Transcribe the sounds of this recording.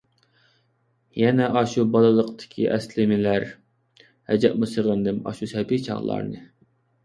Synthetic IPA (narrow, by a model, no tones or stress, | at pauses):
jɛnɛʔɑʃubɑlˠɨlˠəqt̪ʰɪ̥kʲʰḭʔɛslɪmɪlæɾ | hɛd͡ʒɛ̰ʔ̚musəʁənd̪ɨmɑ̰ʃusɛpit͡ʃʰɑ̰ʁlˠɑ̰ɾnɨ